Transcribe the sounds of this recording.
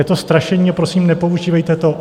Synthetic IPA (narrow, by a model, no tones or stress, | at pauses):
ɛt̪o̞st̪ɾaʃɛɲiːapɾosiːmnɛpo̞uʒiːvɛjt̪ɛt̪oʔ